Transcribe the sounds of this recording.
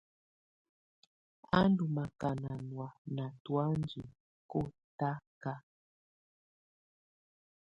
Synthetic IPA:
a˦ndu˨ma˨ka˨na˨nwa˨na˨twa˦nd͡ʒi˨ | ko˦ta˦ka˦

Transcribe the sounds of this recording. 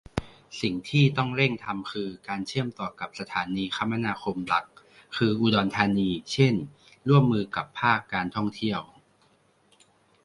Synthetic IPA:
si˨˩ŋt̪ʰiː˥˩t̪ɔ˥˩ŋɾe˥˩ŋt̪ʰa˧mkʰɯː˧kaː˧nt͡ɕʰɯ˥˩əmt̪ɔː˨˩ka˨˩p̚sa˧t̪ʰaː˩˦niː˧kʰa˦˥mːa˧naː˧kʰo˧mla˨˩˦k̚ʰː | ɯː˧ʔuː˧dɔː˧nt̪ʰaː˧niː˧t͡ɕʰe˥˩n | ɾu˥˩əmːɯː˧ka˨˩pʰːaː˥˩kːaː˧nt̪ʰɔ˥˩ŋt̪ʰi˥˩əw

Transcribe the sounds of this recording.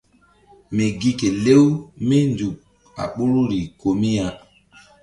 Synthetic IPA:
me˨ɡi˦ke˨le˦wme˦ndu˨k̚ | a̰˨ɓo˦ɾu˦ɾi˨ko˨mi˦ja˨

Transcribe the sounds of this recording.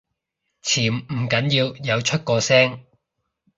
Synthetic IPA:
t͡sʰiː˨˩mm̩˨˩kɐ˨˥njiː˧wjɐ˨˧wt͡ʃʰɵ˥t̚kɔː˧sɛː˥ŋ

